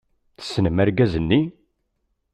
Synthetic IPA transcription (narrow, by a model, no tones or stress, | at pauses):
θə̥sːnəmæɾɡæzənːi